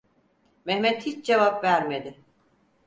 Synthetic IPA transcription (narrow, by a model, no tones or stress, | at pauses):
mɛhmɛt̪hit͡ʃd͡ʒevapvæɾmed̪ɪ